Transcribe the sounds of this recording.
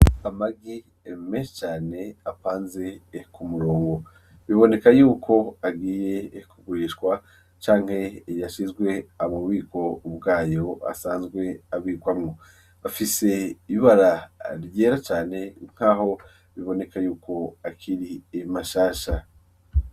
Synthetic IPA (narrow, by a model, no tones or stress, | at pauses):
amaɡi | emeʃt͡ʃaːne̞apaːnze̞kumuɾo̞ːŋɡo̞ | βiβo̞ne̞kajuːkʰo̞aɡiːje̞kuɡuɾiːʃkwa | t͡ʃaːŋ̥he̞jaʃizɡwe̞aβawiːko̞ubɡaːjo̞a̰saːnzɡwe̞aβiːkwamŋo | βafise̞iβaɾaɾjeːɾat͡ʃaːne̞ŋ̥haːho̞ | βiβo̞ne̞kajuːkʰo̞akʰiɾiemaʃaːʃa